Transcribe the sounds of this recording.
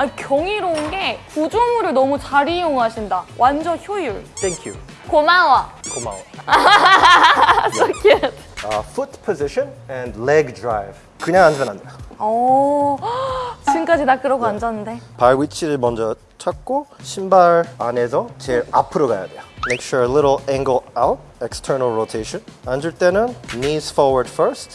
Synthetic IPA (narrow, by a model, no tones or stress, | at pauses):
akjʌŋiɾoɯnɡe̞pud͡ʑumuɾɯɭnʌmut͡ɕaɾijoŋɦaɕʰindawand͡ʑʌçjojuɭt̪ʰeŋkʰjṵ | komawakoma̰wa | sokʰetʌfut̚pʰoziɕʌnɛnleɡdɾajb | kɯɲaŋand͡ʑʰʌnandejoʌ | sʰɯnkad͡ʑinakɯɾʌɡoand͡ʑʌnɯnde̞paɾwit͡ɕʰiɾɯɭmʌnd͡ʑʌ | t͡ɕʰak̚k͈oɕʰimbaɾanes̬ʰʌt͡ɕeɾapʰɯɾoɡaja̰dejomejkɕuɾeliɾl̩ɛ̃ŋɡəlawt̚ | ɛkstʰə˞nalɹotʰejʃʌnandɯɭt͈enɯnnisfɔwə˞dfə˞st